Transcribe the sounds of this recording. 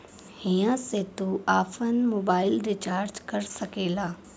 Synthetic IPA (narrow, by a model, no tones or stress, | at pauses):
hijãset̪uaːpʰənmoːbaːɪlɾɪt͡ʃaːɾd͡ʒkɐɾsɐkeːlaː